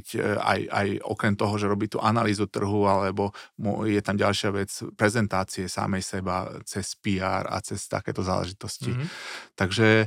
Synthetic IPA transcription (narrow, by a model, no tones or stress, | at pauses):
ca̰ja̰jɔ̰kɾɛmt̪ɔɦɔʒɛɾɔbiːt̪ṵːʔanaliːzut̪r̩ɦualɛbɔmɔ̰jɛt̪amɟalʃɪaʋɛt͡spɾɛzɛnt̪aːt͡siɛsa̰mɛjsɛbat͡sɛspiːa̰ːɾa̰t͡sɛst̪a̰kɛ̰ːt̪ɔza̰ːlɛ̰ʒit̪ɔscit̪aɡʒɛ